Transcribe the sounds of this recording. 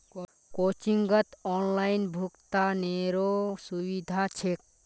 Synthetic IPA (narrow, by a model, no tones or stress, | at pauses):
kot͡ʃiŋɡət̪ɔnlaɪnbʱukt̪aneɾosubid̪ʱat͡ʃʰek̚